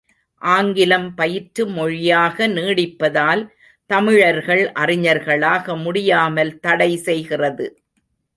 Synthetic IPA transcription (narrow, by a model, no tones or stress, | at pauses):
ʔaːŋɡɪlɐmpɐjɪʈɾɯmɔɻɪjaːɣɐniːɽɪpːɐðaːl | t̪ɐmɪɻɐɾɣɐɭʔɐrɪɲɐɾɣɐɭaːɣɐmʊɽɪjaːmɐlt̪ɐɽɐɪsɛjɣɪrɐðɯ